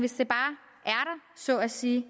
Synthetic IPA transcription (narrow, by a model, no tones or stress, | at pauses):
ʋe̝sd̥e̝b̥ɑ̈ː | ʔæɐɾ̥ɑ̈sɒ̽æsiː